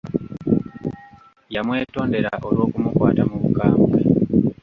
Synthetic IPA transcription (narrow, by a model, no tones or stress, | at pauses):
jamwe̞ːto̞ːnde̞ɾaʔo̞lwo̞ːkumukwa̰ːtamuβukaːmbwḛ